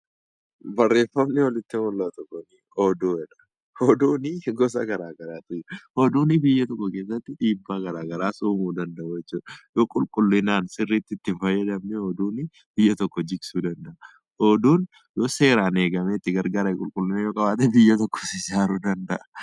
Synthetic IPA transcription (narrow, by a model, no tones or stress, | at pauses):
bɐrːe̞ːfɐmnɛwɐlɪt̪ːɪnɔlːɐt̪ɔkːɔni | ɔd̪oːɛᶑɐ̥ | hɔd̪uːnɪɡɔsɐ̰ɡɐɾaːɡɐɾaːt̪ʊjhɔd̪uːnɪbɪjːɐt̪ɔkːɔkeːs̬ːɐt̪ːɪᶑiːbːaːɡɐɾaːɡɐɾaːsuːmuːd̪ɐnd̪ɐʔujɛt͡ʃːuːᶑɐjoːkʼʊlkʼʊlːɪnaːnsɪrːiːt̪ːɪt̪ːɪnfɐjːɐd̪ɐmnɛɔd̪uːnɪ | b̥ɪjːɐt̪ɔkːɔd͡ʒɪɡsuːd̪ɐnd̪ɐʔɐ | ʔod̪uːn | jo̞ːse̞ːɾaːne̞ːɡɐmɛɪt̪ːɪɡɐɾɡaːɾɐɛkʼʊlkʼʊlːɪnaːjoːkʼɐbaːt̪ɛbɪjːɐt̪ɔkːɔ̥sɪd͡ʒaːɾuːd̪ɐnd̪ɐʔɐ̥